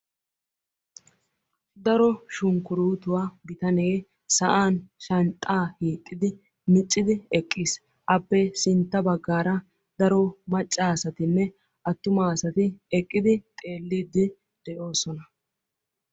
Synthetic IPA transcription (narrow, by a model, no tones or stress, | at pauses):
d̪ɐɾɔʃʊŋkʊɾuːt̪ʊwaːɡɪt̪ɐne̞ː | sɐʔaːnʃɐnt̪ʼːaːhiːkʼːɪd̪ɪ | mɪt͡ʃʼːɪd̪ɪɛkʼːis | ʔɐpːɛsɪnt̪ːɐbɐɡːaːɾɐ | d̪ɐɾɔmɐt͡ʃʼːaːsɐt̪ɪnːɛ | ʔɐt̪ːʊmaːsɐt̪ɪɛkʼːɪd̪ɪt̪ʼe̞ːlːiːd̪ːɪ | d̪̥ɛʔo̞ːsɔnɐ